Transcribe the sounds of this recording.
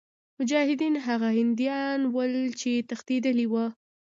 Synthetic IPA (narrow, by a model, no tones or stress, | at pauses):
mʊd͡ʒɑhɪd̪inɦaɣahɪnd̪jɑnwəlt͡ʃet̪axt̪ed̪əliwa